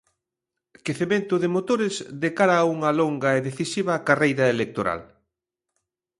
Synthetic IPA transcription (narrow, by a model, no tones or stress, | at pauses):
keθemẽnt̪ʊðɪmot̪oɾɪzd̪ekaɾɐːuŋɐloŋɡɐeðeθisiβɐkarejɾɐelek̚t̪oɾa̰l